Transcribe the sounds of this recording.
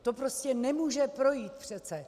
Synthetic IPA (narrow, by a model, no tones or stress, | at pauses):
t̪opɾoscɛnɛmuːʒɛpɾo̞jiːt̪̚pr̝̥ɛt͡sɛ